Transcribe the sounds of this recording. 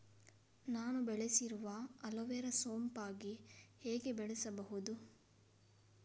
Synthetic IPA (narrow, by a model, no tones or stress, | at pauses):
naːnubɛɭesiɾuʋɐɐloʋɛɾɐsoːmpaːɡiheːɡebɛɭɛsɐbɐɦud̪u